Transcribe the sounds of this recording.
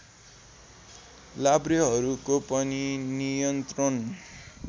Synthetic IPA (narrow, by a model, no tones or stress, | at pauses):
labriɦʌɾukopʌninijʌnt̪rʌn